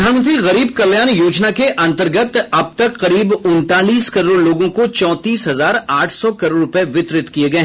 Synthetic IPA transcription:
d̪ʱaːnmə̃nt̪ɾiɣɐɾiːb̚kɐljaːnjoːd͡ʒnakeʔɐ̃nt̪əɾɡət̪ɐb̚t̪ɐkqɐɾiːbʊnt̪aːliːskɐɾoːɽloːɡõkot͡ʃɔ̃ːt̪iːsɦɐzaːɾaːʈʰsɔkɐɾoːɾʊpeʋɪt̪ɾɪt̪kieɡɐe

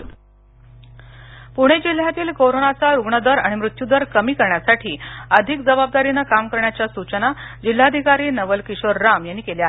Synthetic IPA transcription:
puɽ̃ed͡ʑil̤jat̪iːlkoɾonat͡saɾuɡɳəd̪əɾaɽ̃imɾut̪jud̪əɾkəmiːkəɾɳjasaʈʰiːəd̪ʱik̚d͡zəbab̚d̪aɾinəkamkəɾɳjat͡ɕjasut͡ɕənad͡ʑil̤ːad̪ʱikaɾiːnəʋəlkiɕʋəɾːamjanːiːkeljaɦe

